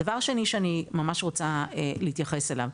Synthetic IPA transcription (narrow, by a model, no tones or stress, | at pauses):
avaʁʃeniʃeanimamaʃʁot͡saeleit̪jaχe̞se̞la̰v